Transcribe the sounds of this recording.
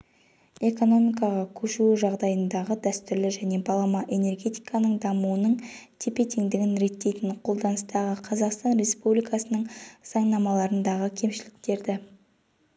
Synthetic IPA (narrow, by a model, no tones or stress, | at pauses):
e̞ko̞no̞mijkɑʁɑkʲʰɵʃuʒɑʁd̪ɑjənd̪ɑʁəd̪æst̪ʏɾlɪʒæne̞bɑlˠɑmɑʔe̞ne̞rɡʲe̞t̪i̥jkɑnəɴd̪ɑmuənəɴt̪ʰepe̞t̪iŋd̪ɪɡʲɪnɾe̞t̪ːe̞jt̪ɪɴqʰo̞lˠd̪ɑnəst̪ɑʁəqʰɑzɑqst̪ɑnɾe̞spublijkɑsənəɴsɑɴnɑmɑlˠɑɾənd̪ɑʁəkʲʰe̞mʃɪlɪk̚t̪e̞ɾd̪ɪ